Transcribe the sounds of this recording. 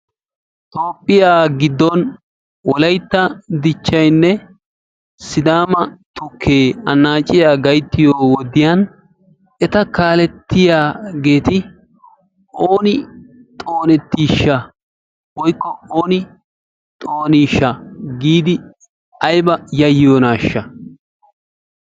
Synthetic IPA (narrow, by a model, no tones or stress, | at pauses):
t̪ʼo̞ːpʼːɪjaːɡɪd̪ːɔn | wɔlɐjt̪ːɐd̪ɪt͡ʃːɐjnːɛ | sɪd̪aːmɐt̪ʊkʰːeːɐnːaːt͡ʃʼːɪjaːɡɐjt̪ːɪjoːwɔd̪ɪjɐn | ʔɛt̪ɐkaːlɛt̪ːɪjaːɡe̞ːt̪ɪ | oːnɪ | t̪ʼo̞ːnɛt̪ːiːʃːɐ | wɔjkːɔoːnɪ | t̪ʼoːniːʃːɐɡiːd̪ɪ | ɐjbɐjɐjːoːnaːʃːɐ